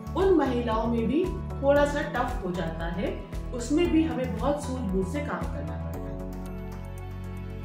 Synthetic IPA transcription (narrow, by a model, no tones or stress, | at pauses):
ʊnmɐɦiːlaːõmẽbʱi | t̪ʰoːɽasaʈɐfɦod͡ʒaːt̪aɦɛ | ʊsmẽbʱiɦɐmẽbɐɦɔt̪suːɾbʱuːɾsekaːmkɐɾnapɐɽa̰ː